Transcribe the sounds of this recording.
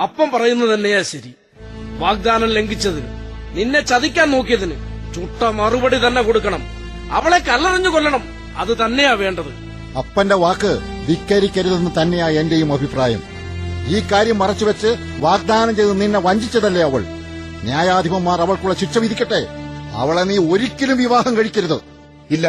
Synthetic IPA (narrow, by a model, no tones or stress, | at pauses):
ɐpːɐmpɐrɐjunːɐt̪ɐnːe̞jaːɕɐɾi | ʋaːk̚d̪aːnɐmle̞ŋɡit͡ɕːɐðinɨ̰ninːe̞t͡ɕɐðikʲːaːnno̞ːkːijɐðinɨt͡ɕuʈːɐmɐrubɐɽit̪ɐnːe̞koɽukːɐɳɐm | ɐ̰ʋɐɭekːɐlːɐrɐɲːuko̞lːɐɳɐm | ɐ̰ðɨt̪ɐnːe̞jaːʋe̞ːɳɖɐðɨ | ɐpːɐnde̞ʋaːkːɨʋikːɐɾikʲːɐɾuðenːɨt̪ɐnːe̞jaːe̞nde̞jumɐbʱipraːjɐ̰m | iːkaːɾjɐmːɐrɐt͡ɕːuʋɐt͡ɕːɨ | ʋaːɡ̚d̪aːnɐɲd͡ʑejðɨninːeʋɐɲd͡ʑit͡ɕːɐðɐlːeɐʋɐɭ | njaːjaːd̪ʱibɐmːaːrɐʋɐɭkuɭːɐt͡ɕit͡ɕːɐʋid̪ʱikʲːɐʈːe̞ɐ̰ʋɐɭeniːo̞ɾikʲːɐlumʋiʋaːɦɐmkɐɻikʲːɐɾuðɨ | ilːɐ